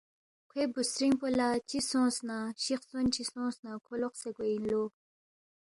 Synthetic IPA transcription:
kʰebusɾiŋpolat͡ɕisõsnaɕiχsont͡ɕʰisõsnakʰoloqsekweinlo

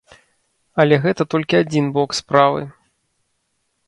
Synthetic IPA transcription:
ɐlʲɛɣɛt̪ɐt̪ɔlʲkʲiad͡zʲinblɔkspɾavɨ̰

